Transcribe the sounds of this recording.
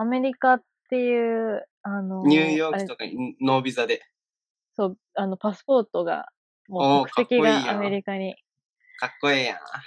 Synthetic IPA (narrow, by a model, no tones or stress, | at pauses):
ame̞ɾʲikat̪ːe̞jɯ̟ːano̞ɲʲɨːjo̞ːkaɾiet̪oka̰no̞ːbʲizad̪e̞ | so̞ː | ano̞pasɨ̥po̞ːt̪o̞ɡa̰ | moːookɯ̟̥kt̪e̞kʲiɡiameɾʲikaɲ̟i | kakːo̞iːjã̰